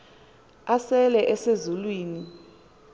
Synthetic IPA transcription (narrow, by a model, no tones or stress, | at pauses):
asɛlɛʔɛsezulwiːni